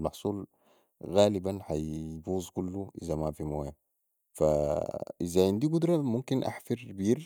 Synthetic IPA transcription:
lmɑħsˤuːl | ɣaːlibanħajbuːzˤkulːuʔḭzamafimoːja | fa̰ʔizaʕind̪iːɡud̪ɾˤɑmumkinʔa̰ħfiɾbiːɾ

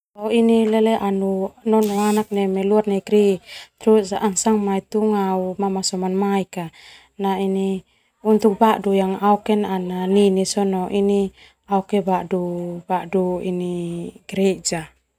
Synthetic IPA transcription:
ainilɛlɛʔanunɔnɔanak̚nɛmɛluarnaiɡɾit̪ɾuaŋsaŋmait̪uŋaumamasɔmanmaika | naini | unt̪uk̚baʔdujaŋaukɛnananinisɔnɔʔini | aukɛbaʔdub̥aʔduiniɡ̥ɾɛd͡ʒa

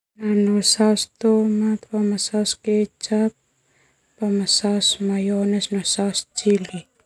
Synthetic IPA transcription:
nanosawst̪omat̪pamasawsket͡ʃap̚ | pamasawsmajonɛsnosast͡ʃili

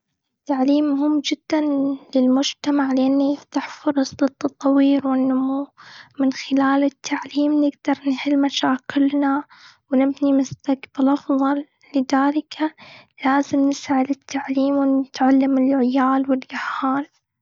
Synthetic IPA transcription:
ʔʔɪt̪ːaʕliːmːʊhɪmːd͡ʒɪd̪̥ːanlɪlmʊd͡ʒt̪amaʕlɪʔanːift̪aħfʊɾˤɑsˤdɨt̪ˤːɑt̪ˤɑwiːɾwɪnːʊmuːmɪnxɪlaːlɪt̪ʰːaʕliːmnɪɡd̪̥ɑɾˤnħɪlmaʃaːkɪlnawnɪbnimʊst̪akb̥alʔɑfðˤɑlː | ɪðaːlɪkʰalaːzɪmnɪsʕɪd̪ɪt̪ʰːaʕliːmwɪnɪt̪ʕalːamɪlʕɪjaːlwɪlɡahaːl

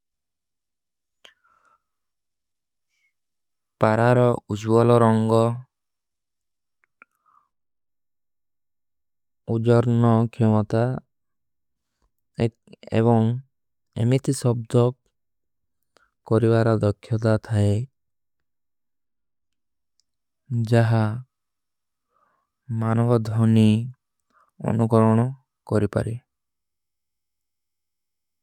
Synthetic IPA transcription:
paɾaɾɔud͡ʒwɔlɔɾɔŋɡɔ | ud͡ʒɔɾnɔkʰemɔt̪a | ḛβɔŋ | ḛmit̪ʰisɔbd̪ɔ | kːɔɾibaɾɔd̪ɔkʰːjɔt̪at̪ʰae | d͡ʒaɦa | manɔbɔd̪ʱɔni | ɔ̰nukɔɾɔɽ̃ɔ | kɔɾipa̰ɾi

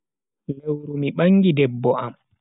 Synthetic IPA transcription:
lewɾumiɓaŋːɡidɛbːɔʔam

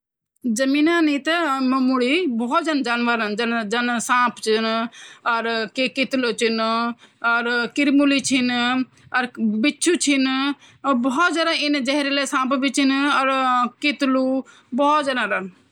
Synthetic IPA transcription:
d͡ʒɐmiːnãːnĩt̪əmɐmuɽibɔːt̪̚d͡ʒand͡ʒaːnʋəɾənd͡ʒnd͡ʒɐnsãːpt͡ʃʰinɐɾkekɪt̪lot͡ʃʰin | əɾkɪɾmulit͡ʃʰɪn | ɐɾbɪt͡ʃʰut͡ʃʰɪn | bɔɔt̪d͡ʒaːɾãːɪnd͡ʒɛɦɾelesãːpbit͡ʃʰinɐɾkɪt̪lu | bɔːt̪d͡ʒadãːɾən

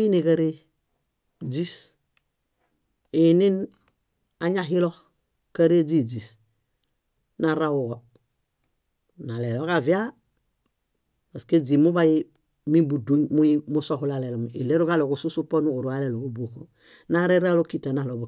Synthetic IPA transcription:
inikaɾe | d͡ʒis | inin | aɲaɦiloh | kaɾed͡ʒid͡ʒis | naɾawuɡo | nalelokavia | basked͡ʒimubaji | mibuduɲmujimusohulalelomḭleɾukalokususuponukuɾualelokubuko | naɾeɾalokitanalobo

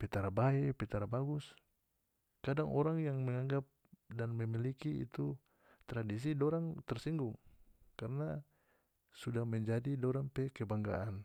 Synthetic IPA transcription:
pɛt̪aɾabaɛpɛt̪aɾabaɡus | kadaŋʔɔɾaŋjaŋmɛŋaŋɡap̚danmɛmilikiḭt̪u | t̪ɾadis̬idɔɾaŋt̪ɛrsiŋɡuŋkarna | sudahmɛɲd͡ʒadidɔɾaŋpɛkɛbaŋɡa̰ʔan

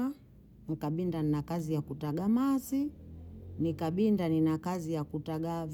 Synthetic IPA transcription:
a | ŋikaɓindaninakazijakutaɡamasi | nikaɓindaninakazijakutaɡav

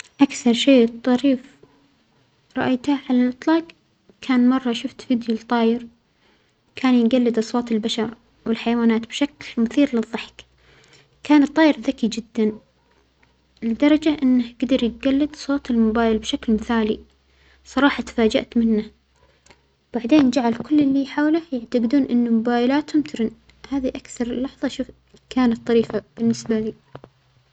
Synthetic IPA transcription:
ʔakθɑɾˤʃeːt̪ˤːɑɾiːf | ɾˤɑ̰ʔajt̪haʕalalʔɨt̪ˤlɑːq | kʰaːnmɑrˤːɑʃʊft̪fiːd̪jult̪ˤːɑːjɪɾ | kʰaːnjɡalːɪd̪ʔɑsˤwɑːt̪ɪlbaʃɑɾˤ | wɪlħajawaːnaːt̪bʃaklmʊθiːɾlɨðˤːɨħk | kaːnɨt̪ˤːɑːjɪɾðakid͡ʒɪd̪ːan | ɪld̪ɑɾˤɑd͡ʒaʔɪnːahɡad̪ɑɾˤjɪt̪̚ɡalːɪd̪sˤoːt̪ɪlmʊbaːjɪlbʃaklmɪθaːli | sˤɑɾˤɑːħɑt̪ḁfaːd͡ʒa̰ʔt̪mɪnːa | wb̥aʕd̪eːnd͡ʒaʕalkʊlːɪlːiħaːwlajaʕt̪aɡd̪uːnʔɪnːʊmʊbaːjɪlaːt̪hʊmt̪ɪɾɪn | haːðiʔakθɑɾˤlːɑħðˤɑʃuː | kaːnat̪̚ˤt̪ˤːɑɾiːfab̥ɪnːɪsbaliː

